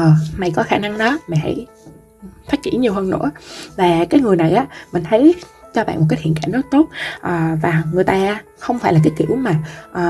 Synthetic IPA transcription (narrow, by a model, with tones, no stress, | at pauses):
ə˨˩ma˨˩jkɔ˨˦xaː˧na˧ŋɗɔ˨˦ma˨˩ha̰˧˩j | faː˦˥t̚t͡ɕḭ˧˥ənɲi˨˩əwhəː˧nːɨ̰˧˥əvaː˨˩kaː˨˦jŋɨ˨˩əjna˨˩jʔaː˨˦˥mï˨˩ŋ̟t̪ʰə˨˦jt͡ɕɔ˧ɓa̰ː˧˨nmo˨˩kaː˨˦jhʰḭ˧˨ənkaː˧˩nəː˦˥k̚t̪o˦˥t̚ʔəː˨˩vaː˨˩ŋɨ˨˩jt̪aː˧ | xə˧wŋ͡mfaː˧˥jlaː˨˩k̬aː˨˦jkḭ˧˩˨əwmaː˨˩ʔəː˨˩